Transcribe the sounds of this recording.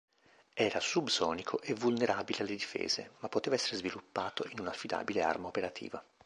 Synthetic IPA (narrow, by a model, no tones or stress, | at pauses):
ɛːɾasubsɔːnikʰoʔevulneɾʔaːbilealːed̪ifḛːzḛmapːot̪eːvaɛsːeɾezvilupːaːt̪oʔinunafːid̪a̰ːbilea̰rmaopeɾat̪ʰḭːva